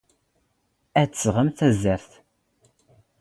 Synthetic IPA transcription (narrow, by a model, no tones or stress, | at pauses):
æt͡sːsʁəmθæzəɾθ